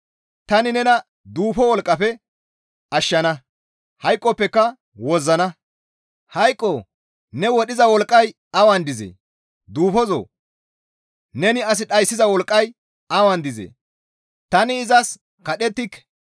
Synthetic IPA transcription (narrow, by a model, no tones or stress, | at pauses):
t̪ɐnɪnɛnɐ | d̪uːfɔwɔlkʼːɐpɛ | ɐʃːɐnɐ | hɐjkʼːɔpːɛkːɐ | wɔzːɐnɐ | hɐjkʼːoː | nɛwɔɗɪzɐwɔlkʼːɐj | ɐwɐnd̪ɪzḛː | d̪uːfɔzo̰ː | nɛnɪɐs̬ɪɗɐjsːɪzɐwɔlkʼːɐj | ɐwɐnd̪ɪzḛː | t̪ɐnɪːzɐs | kɐɗɛt̪ːɪk